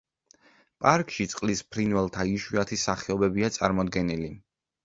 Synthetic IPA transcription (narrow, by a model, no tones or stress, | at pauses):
pʼaɾkʼʃit̪sʼqʼlispʰɾinvɛlˠt̪ʰaiʃwiat̪ʰisːaχɛɔbɛbiat̪sʼaɾmɔd̪ɡɛnili